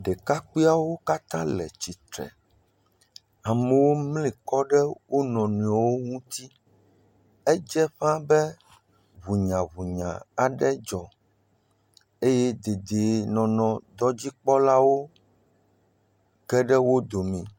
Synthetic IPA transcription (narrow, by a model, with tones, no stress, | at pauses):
ɖɛ˨ka˦k͡pi˦a˦wo˦ka˦t̪ã˦lɛ̰˨t͡ɕi˨t̪ɾɛ̰˨ | a˨me˨wo˦mli˨kɔ˦ɖɛ˦wʔo˦nɔ̃˨nũ˨a˨wo˦ŋũ˦t̪i˦ | ɛ˦d͡ʒɛ˦ɸã˦bɛ˦ | βu˨ɲã˨βu˨ɲã̰˨a˨ɖɛ˦d͡ʒɔ˨ | e˦jɛ˦d̪e˨d̪e˨nɔ̃˨nɔ̃˨d̪ɔ˦d͡ʑi˦k͡pɔ˦la˦wo˦ | kɛ˦ɖɛ˦wo˦d̪o˨mĩ˨